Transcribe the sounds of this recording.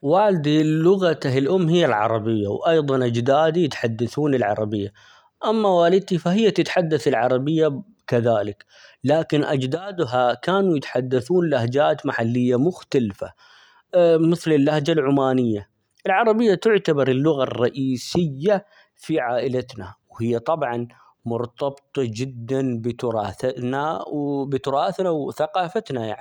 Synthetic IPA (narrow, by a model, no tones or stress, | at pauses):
waːld̪ilʊɣat̪aɦɪlʔʊmːɦɪjːalʕɑ̰ɾˤɑbɪjːa̰wʔɑjðˤɑnʔad͡ʒd̪aːd̪ijɪt̪ħad̪ːaθuːnɪlʕɑ̰ɾˤɑbɪjːa | ʔamːawaːlɪd̪̚t̪ifaɦɪjːat̪ɪt̪ħad̪ːaθɪlʕɑɾˤɑbɪjːa | kaðaːlɪk | laːkɪnʔad͡ʒd̪aːd̪ɦakaːnujɪt̪ħad̪ːaθuːnlahd͡ʒaːt̪maħalːɪjːamʊxt̪alfa̰ | mɪθlɪlːahd͡ʒalʕʊmaːnɪjːa | ʔɪlʕɑɾˤɑbɪjːat̪ʊʕt̪abɑɾˤɪlːʊɣarˤːɑʔiːsɪjːa | fiʕaːʔɪlat̪nawhɪjːat̪ˤɑbʕɑn | mʊɾt̪ɑbt̪ˤɑd͡ʒɪd̪ːanbɪt̪ʊɾˤɑːθanabɪt̪ʊɾˤɑːθnawθaqɑːfat̪naja̰ʕni